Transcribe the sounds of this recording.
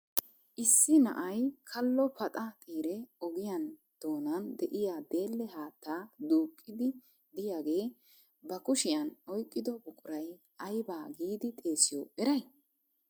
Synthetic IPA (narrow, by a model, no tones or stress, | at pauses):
ʔɪsːɪnɐ̰ʔɐjkʰɐlːɔpɐt̪ʼat̪ʼiːɾɛɔɡɪjɐn | d̪̥o̞ːnɐnd̪ɛʔɪjaːd̪e̞ːlːɛɦaːt̪ːaːd̪uːkʼːɪd̪ɪ | d̪ɪjaːɡe̞ː | bɐkʊʃɪjɐnɔjkʼːɪd̪ɔbʊkʼʊɾɐj | ʔɐjbaːɡiːd̪ɪt̪ʼe̞ːsɪjɔɛɾɐj